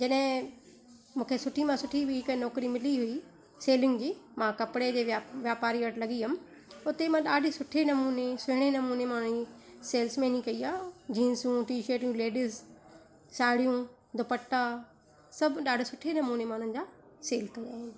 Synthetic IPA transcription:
d͡ʑɐɗɦɪ̃ | mũːkʰesʊʈʰimãsʊʈʰibʱɪɪkənɔːkɾimɪliɦʊi | seːlɪ̃ŋɡd͡ʑiːmãkɐpɪɽed͡ʑeːʋʋjaːpaːɾiʋɐʈlɐɠiɦʊmɪ̆ | ʊt̪emãɗaːɖʱɪsʊʈʰenɐmuːnesʊɦɪɽ̃enɐmuːnemaːɽ̤̃ʊ̃iseːlsmẽnĩkɐiaːd͡ʑĩːnsũʈiːʃəːʈjũleːɖɪz | saːɽijũ | d̪ʊpəʈːa | sɐbʱɗaːɖʱɪsʊʈʰenɐmuːnemãːʊñ̤ə̃̆nɪ̆d͡ʑaːseːlkɐia̰ːɦɪnɪ

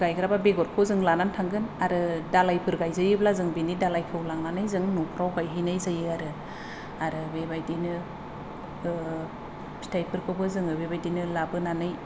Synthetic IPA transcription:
ɡajkɯɾababeɡɔɾkʰozɯŋlanantʰaŋɡɯnaɾɯdalajpʰɯɾɡajzajɯblazɯŋbinidalajkʰɯwlaŋnanɯjzɯŋnupʰɾawɡajɦinajzajɯaɾɯ | aɾɯbebajdinɯ | stʰajpʰɯɾkʰɯbɯzɯŋɯbebajdinɯlabɯnanɯj

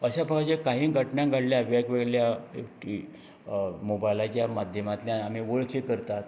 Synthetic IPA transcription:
əɕapəkat͡ɕekaɦĩːɡʱəʈɳjãŋɡʱaɽljaʋjaɡʋeɡɭjaekʈʰi | mobajilat͡ɕjamad̪ʱjəmat̪ljaːm̤iʋoɭkʰekəɾt̪at̪

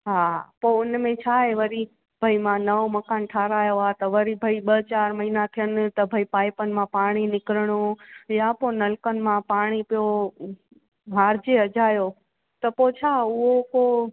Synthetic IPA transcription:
ɦapoʊnmẽt͡ʃʰaeʋəɾi | b̥ʱəimãnəʋməkaːnʈʰaːɾaːjoat̪əʋəɾibʱəiɓət͡ʃaːɾmɐɦinat̪ʰijənt̪əbʱəipaːjpənmãpaːɽ̃inɪkɾɽ̃ojaponəlkənmãpaːɽ̃ipjo | ɦaːɾd͡ʒeəd͡ʒaːjo | t̪əpot͡ʃʰauɦopoː

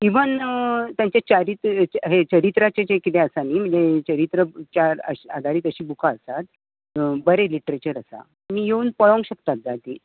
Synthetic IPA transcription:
iʋənt̪jaɲt͡ɕat͡ɕaɾiːt̪ɦet͡ɕəɾit̪ɾat͡ɕet͡ɕekit̪ẽəsaniːm̤əɳd͡zet͡ɕəɾit̪ɾət͡ɕaə̰ɕad̪ʱaɾiːt̪əɕiːbukʰaəsat̪̚ | bəɾeliʈɾet͡ɕəɾəsa̰ | miːjeuːnpəɭõŋɡɕəkt̪at̪̚d͡zat̪i

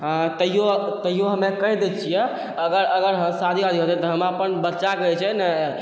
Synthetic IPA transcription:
ɦãt̪əɦijot̪əɦijoɦəmekəɦid̪et͡ʃʰijɛ | əɡəɾəɡəɾɦəmsad̪ʱiad̪ʱiɦot̪ɛ̃t̪ɔɦəmapənbətːt͡ʃaɡət͡ʃʰɛnə

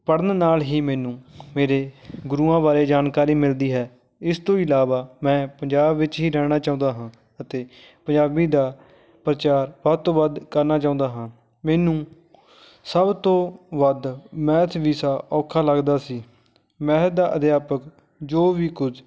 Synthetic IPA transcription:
pəɽənnaːlɦiːmɛːnũːmeːɾeːɡʊɾuːãːbaːɾeːd͡ʒaːnkaːɾiːmɪld̪iːɦɛː | ɪst̪õːɪlaːʋaːmɛ̃ːpəɲd͡ʒaːbʋɪt͡ʃɦiːɾɛːɽ̃aːt͡ʃaːʊ̃ːnd̪aːɦãː | ət̪eː | pəɲd͡ʒaːbiːd̪aː | pɾət͡ʃaːɾʋət̪õːʋəd̪kəɾnaːt͡ʃaːʊ̃ːnd̪aːɦãː | mɛːnũː | səbt̪õːʋəd̪mɛ̃ːt̪ʰʋiːsaːʔɔːkʰaːləɡd̪aːsiː | mɛ̃ːt̪̚d̪aːʔəd̪jaːpək | d͡ʒoːʋiːkʊd͡ʒ

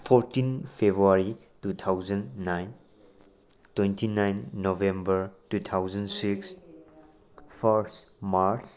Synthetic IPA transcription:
pʰɔɾtinpʰebɾuaɾi | tut̪ʰawzanːajn | twentʰinajnːovẽmbəɾtut̪ʰawzansiks | pʰəɾsmaɾt͡ʃ

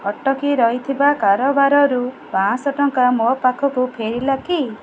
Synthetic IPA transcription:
ɔʈɔkiɾɔɦit̪ʰibakaɾɔbaɾɔɾu | bãsɔʈɔŋkamɔpakʰɔkupʰeɾilaki

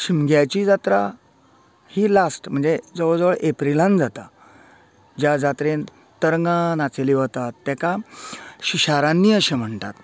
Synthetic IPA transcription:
ɕimɡjajt͡ɕiːd͡zat̪ɾa | hiːlasʈm̤əɳd͡zed͡zəʋəɭd͡zəʋəɭepɾilãnd͡zat̪a | d͡ʑjad͡zat̪ɾen | t̪əɾŋɡãnat͡seliɦot̪at̪ːɛkaɕiɕaɾãnːiːəɕem̤əɳt̪a̰t̪

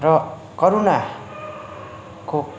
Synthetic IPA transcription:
rʌ | kʌɾona | ko

